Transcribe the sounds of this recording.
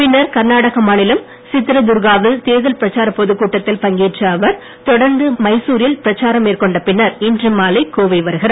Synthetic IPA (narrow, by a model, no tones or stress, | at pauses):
pɪnːɐɾkɐɾnaːɽɐɣɐmaːnɪlɐm | sɪt̪ːɪɾɐd̪ʊɾɣaːʋɪlt̪eːðɐlpɪɾɐt͡ʃːaːɾɐpːɔðɯkːuːʈːɐt̪ːɪlpɐŋɡiːʈrɐːʋɐɾ | t̪ɔɽɐɾnd̪ɯmɐɪsuːɾɪjɐlpɪɾɐt͡ʃːaːɾɐmeːrkɔɳɖɐpɪnːɐɾɪndrɪmːaːlɐɪkoːʋɐɪʋɐɾɯɣɪɾɐ